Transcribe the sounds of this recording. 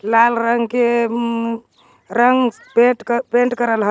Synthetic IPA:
lalɾəŋɡke | ɾəŋɡ | peʈpẽɳʈkəɾəlɦə

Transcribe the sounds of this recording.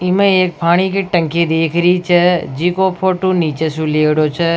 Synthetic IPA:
ɪmẽeːk̚pʰaːɽ̃ikeʈə̃ŋked̪eːkʰɾit͡ʃʰəd͡ʒiːkopʰoːʈũniːt͡ʃesũleːɽoːt͡ʃʰə

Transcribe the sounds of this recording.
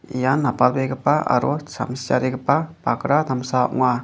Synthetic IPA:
ijanːapalbeɡɯpaʔa̰ɾɔsa̰msia̰ɾeɡɯpapakɾad̪amsaɔ̰ʔŋa

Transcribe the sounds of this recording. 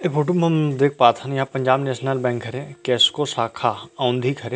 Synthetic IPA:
efʰoːʈumɐmd̪eːk̚ʰpaːt̪ʰãnjãpɐ̃ɲd͡ʒaːbnɛːʃnəlbɛ̃ːŋkʰːɐɾẽkɛːskosaːkʰaaʊ̃nd̪ʱikʰɐɾeː

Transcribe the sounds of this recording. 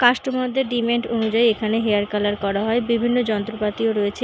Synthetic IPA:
kaʃʈomɔd̪ʱːeɾɖimeɳʈonud͡ʑaiekʰaneɦeaɾkalaɾkɔɾaɦɔebibʱinːod͡ʑɔnt̪ɾopat̪ioɾoet͡ɕʰe

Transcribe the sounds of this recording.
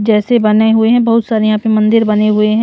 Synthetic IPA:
d͡ʒɛːsebɐneɦʊeɦɛ̃bɐɦʊt̪saːɾejɐɦãːpemɐ̃nd̪ɪɾbɐneɦʊeɦɛ̃

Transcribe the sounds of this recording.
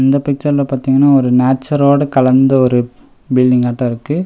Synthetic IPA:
ɐnd̪ɐpɪk̚t͡ʃɐɾɪlɐpaːɾt̪iːŋɡɐnːaːɔɾɯnaːʈ̚t͡ʃːɐɾoːɽɐkɐlɐnd̪ɐɔɾɯ | bɪlɖɪŋɡaːʈːɐ̃ɪɾɯkːɯ

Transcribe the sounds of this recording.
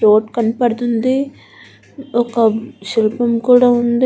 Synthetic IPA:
ɾoːʈkɐnipɐɽt̪und̪i | ɔkɐʃilpɐmkuːɽaːund̪i

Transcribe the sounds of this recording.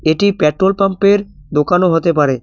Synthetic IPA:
eʈipɛʈɾolpampeɾ | d̪okanoɦot̪ep̬aɾe

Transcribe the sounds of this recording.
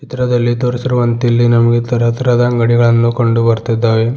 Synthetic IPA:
t͡ʃit̪ɐɾɐd̪ɐlːid̪oɾisiɾuʋɐnt̪ilːinɐmɐɡet̪ɐɾɐt̪ɐɾɐd̪ɐŋɡɐɽiɡɐɭɐnːukoɳɖubɐɾt̪id̪ːaːʋe

